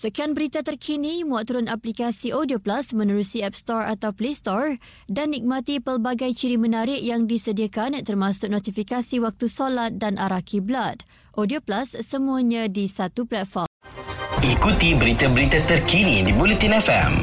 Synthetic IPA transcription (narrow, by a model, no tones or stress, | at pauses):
səkianbəɾit̪at̪ərkʰinĩmuaʔ̚t̪uɾʊnaplikasiʔodioplasmə̃nəɾusiɛp̚st̪ɔra̰t̪awplest̪ɔr | danːik̚mãt̪ipərbaɡajt͡ʃiɾimə̃naɾɪʔjaŋdisədiakant̪ərmasʊk̚nɔt̪ifikasiwak̚t̪usolat̪̚danʔaɾakʰiblad̪ | ʔodioplasːəmuaɲãdisat̪uplɛt̪̚fɔrmikut̪ibəɾit̪abəɾit̪at̪ərkinidibulit̪inɛfɛ̰m